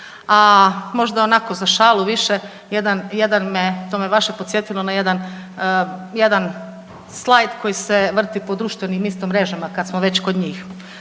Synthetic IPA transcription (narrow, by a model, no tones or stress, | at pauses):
amo̞ʒd̪ao̞nako̞zaʃaːluʋiʃe | jed̪anjed̪anmet̪o̞meʋaʃepot̪sjet̪ilˠonaje̞d̪an | jed̪an | slˠajd̪ko̞jiseʋr̩t̪ipo̞d̪ɾuːʃt̪ʋenimist̪omːɾe̞ʒamakad̪smoʋe̞t͡ɕko̞d̪ɲiːx